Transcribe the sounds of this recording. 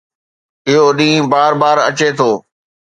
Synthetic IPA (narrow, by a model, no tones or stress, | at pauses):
ɪɦoɗĩːbaːɾbaːɾɐ̰t͡ɕet̪ʰoː